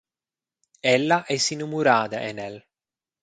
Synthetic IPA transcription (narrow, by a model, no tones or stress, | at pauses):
ɛlːaʔɛsinumuɾaːd̪a̰ʔenɛl